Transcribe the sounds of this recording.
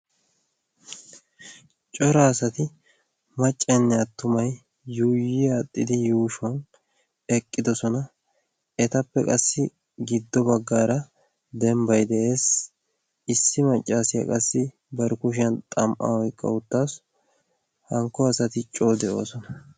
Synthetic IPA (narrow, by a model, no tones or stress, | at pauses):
t͡ʃʼɔɾaːsɐt̪ɪ | mɐt͡ʃʼːɛnːɛɐt̪ːʊmɐjː | uːjɪjaːt̪ʼːɪd̪ɪjuːʃwɐn | ɛkʼːɪd̪ɔsɔnɐ | ɛt̪ɐpːɛkʼɐsːɪ | ɡɪd̪ːɔbɐɡːaːɾɐ | d̪ɛmbɐjd̪ɛʔe̞ːs | ɪsːɪmɐt͡ʃʼːaːsɪjɐ̰kʼɐsːɪ | bɐɾkʊʃ̬ɪɐnt̪ʼɐmʔa̰wɔjkʼːɐ̰ʊt̪ːaːs | hɐŋkːɔɐsɐt̪ɪt͡ʃʼo̞ːd̪ɛʔo̞ːsɔnɐ